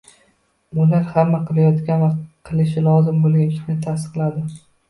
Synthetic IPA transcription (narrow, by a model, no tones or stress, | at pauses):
ʊlaɾhamːaqʰɨlˠajɒt̪kʲanvaqʰɨlˠɪʃɪlˠɒzɪmbolˠɡʲant͡ʃ̪ʲʰʊ̥kʲnɪt̪ʰast̪ɨ̥qlˠad̪ɪ